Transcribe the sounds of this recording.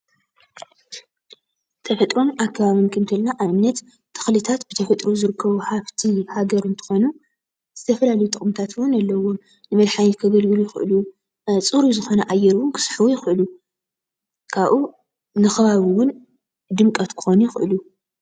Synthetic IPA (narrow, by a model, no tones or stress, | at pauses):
t̪ʰɐfɐt̪ʼɾo̞makʰːaβaβinkʰɨnt̪ʰɨlnaʔamnɐt̪ | t̪ʰːɨ̥xlɨt̪ʰat̪bɨt̪ʰɐfɐt̪ʼɾozɨɾɨkːɐβuħaβt̪ʰihaɡɐɾɨnt̪ʰɨ̥xo̞nu | z̥ɨt̪ʰɐfɐlalɐjut̪ʼɨχʼɨmt̪ʰat̪ʰwʊnalːɐwo̞ | nɨmɐlħajit̪kʰɐɡɐlɡɨlujɪxʔɨ̰lu | t͡sʼɨɾuzɨxo̞nɐʔajɛɾwʊnkʰɨ̥sħɨwujɪxɨʔɨlu | kʰaβʔu | nɨxɐβaβiwʊn | d̪ɨmkʼɐt̪kʰɨ̥xo̞nujɪxɨʔɨlu